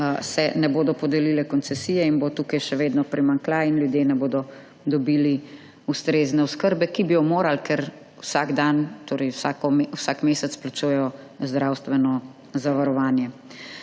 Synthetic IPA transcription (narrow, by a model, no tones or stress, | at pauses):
sɛnɛboːd̪ɔpɔd̪ɛlilɛkɔnsɛsijɛinbot̪uːkajʃɛʋeːd̪nɔpɾimaŋklainljud̪jenɛboːd̪ɔ | d̪ɔbiːli | ust̪ɾeːznɛɔskəɾbɛkibijɔmoːɾalkɛɾ | wsaːɡd̪ant̪oːɾɛjwsakɔmwsaːkmeːsɛt̪splat͡ʃujɛjɔ | zd̪ɾawst̪ʋɛnɔ | zaʋaɾɔʋaːnjɛ